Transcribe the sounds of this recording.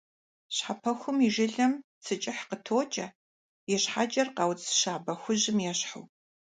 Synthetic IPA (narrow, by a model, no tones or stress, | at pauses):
ɕħapʰɐxʷʊmiʒɪɮɐm | t͡sʰɨt͡ʃʼɪħqətʰoːt͡ʃʼɐ | jɛɕħat͡ʃʼɐrqɐwt͡sʼʃaːbɐxʷʊʑɪmjɛɕħṵ